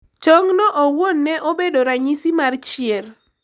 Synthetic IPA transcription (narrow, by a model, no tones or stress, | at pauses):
t͡ʃoŋnɔʔowonːɛʔobedoɾaɲisimart͡ʃɪer